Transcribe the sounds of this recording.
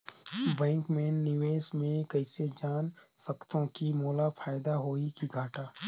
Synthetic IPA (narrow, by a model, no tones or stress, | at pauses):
bɛ̃ːŋkmeːnːɪʋeːsmẽkɐɪsed͡ʒaːnsɐkt̪õkimoːlafʰaːjd̪aɦoːikiɡʱaːʈaː